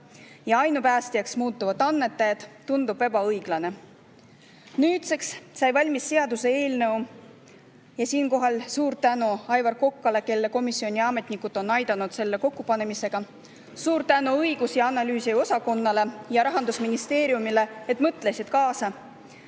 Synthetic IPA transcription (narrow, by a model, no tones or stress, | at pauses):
jɑɑjnupæːst̪ijɑksmuːt̪ːˑuvɑd̪ɑnːe̞t̪ːˑɑjɑd̪̥t̪ːund̪̥ub̥e̞bɑɤjɡ̥lɑne̞ | nyːt̪se̞kssɑjvɑlʲmisːe̞ɑd̪use̞e̞ːlne̞u | jɑsiːnko̞ɦɑlsuːɾt̪ænuɑjvɑrko̞kːɑle̞ke̞lːe̞ko̞misːio̞nʲiɑme̞t̪ˑnikːˑut̪ːˑo̞nːɑjd̪̥ɑnut̪se̞lːe̞ko̞kːupɑne̞mise̞ɡ̥ɑ | suːɾt̪ænuɤjɡ̥usjɑɑnɑlyːsio̞sɑko̞nːɑle̞jɑɾɑɦɑnd̪usminist̪e̞ːɾijumile̞et̪ːˑmɤt̪ːˑle̞sid̪̥kɑːsɑ